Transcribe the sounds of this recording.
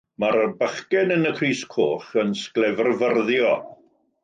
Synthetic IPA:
maɾəbəχkɛnənəkʰriːskʰo̰ːχənsklɛvərvərðjɔ

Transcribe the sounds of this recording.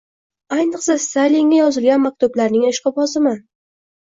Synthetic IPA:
ajnɨqsast̪ajlɪŋːʲajɒzɪlɡʲanmak̚ʲt̪ʰʊblaɾnɪŋeʃqʰɑpɒsɪmɪ

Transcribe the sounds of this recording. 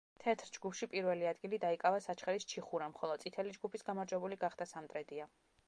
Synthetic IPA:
t̪ʰɛt̪ʰɾd͡ʒɡupʰʃipʼiɾvɛliad̪ɡilid̪aikʼavasat͡ʃʰχɛɾist͡ʃʰiχuɾamχɔlˠɔd̪sʼit̪ʰɛlid͡ʒɡupʰisɡamaɾd͡ʒwɛbuliɡaχd̪asamt̪ʼɾɛd̪ia

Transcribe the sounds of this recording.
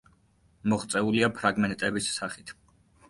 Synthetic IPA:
mɔχt̪sʼɛuliapʰɾaɡmɛnt̪ʼɛbisːaχit̪ʰ

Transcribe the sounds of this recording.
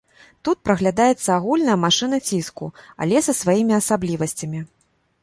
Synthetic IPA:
t̪ut̪̚pɾɐɣlʲad̪ajɛt̪sːɐaɣulʲnɐjɐmaʂɨn̪ɐt͡sʲiskṵa̰lʲɛsɐsvajimʲiɐsablʲivɐsʲt͡sʲɐmʲi

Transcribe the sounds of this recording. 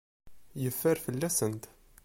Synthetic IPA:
jəfːəɾfəlːæsənt̪

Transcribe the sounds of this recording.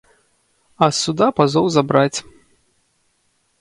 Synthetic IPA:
ɐsud̪apazɔwzabɾat͡sʲ

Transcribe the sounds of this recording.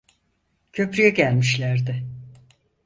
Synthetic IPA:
cʰø̞pɾyjɛɟælʲmiʃlʲæɾd̪ɪ

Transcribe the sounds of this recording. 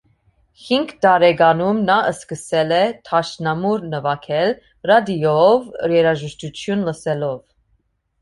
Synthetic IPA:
hiŋɡd̪ɑɾɛɡɑnumnɑʔəskəsɛlɛt̪ʰɑʃnɑmuɾnəvɑkʰɛl | rɑd̪iɔvəɾjɛɾɑʒəʃt̪ut͡ʃʰjunləsɛlɔv

